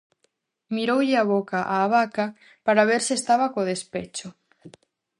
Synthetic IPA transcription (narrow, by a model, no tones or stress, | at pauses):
miɾowʎɪaβ̞okaʔaːβaka | paɾaβ̞eɾsiest̪aβakoð̞espet͡ʃo